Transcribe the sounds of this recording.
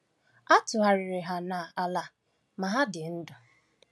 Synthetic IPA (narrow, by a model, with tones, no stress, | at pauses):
a˦tʊ˨ɦa˨ɾɪ˨ɾɪ˨ɦa˨na˨a˨la˨ | ma˨ɦa˦dɪ˨n̩˦dʊ˨